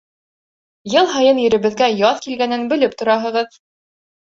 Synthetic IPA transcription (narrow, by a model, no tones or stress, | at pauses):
jɤlˠɦɑjɤnjɵ̆ɾɘ̆βɘ̆ðɡæjɑðkilɡænɘnbɵ̆lɘp̚t̪ŏɾɑɦɤ̆ʁɤð